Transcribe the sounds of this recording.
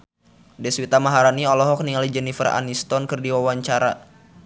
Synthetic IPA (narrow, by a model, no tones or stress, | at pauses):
dɛswit̪amaɦaɾaniɔlɔɦɔk̚niŋalid͡ʒənifəra̰nist̪ɔnkɨrdiwawaɲt͡ʃaɾa